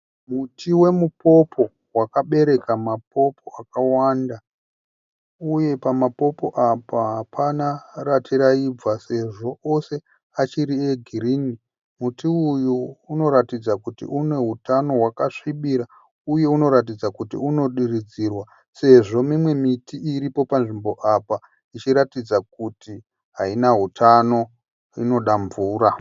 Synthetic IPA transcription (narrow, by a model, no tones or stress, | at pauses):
mutʰiwe̞mupo̞po̞ | wakaɓe̞ɾe̞kamap̚o̞pʰo̞akawaːnda | uje̞pamapo̞po̞ʔapaɦapʰanaratʰiɾaib͡vase̞ʐo̞ʔose̞ | at͡ʃiɾie̞ɡʱiriːni | mutiujuːno̞ɾatid͡zakutḭʔune̞ɦutano̞ɦwakaʂiɓiɾa | uje̞uno̞ɾat̬id͡zakutḭuno̞ɗirid͡zirwa | se̞ʐo̞mimwe̞mitiiɾipo̞panʐimbo̞ʔapa | it͡ʃiɾatid͡zak̚uti | ɦainaɦutʰano̞ | ḭno̞ɗaɱvuːɾa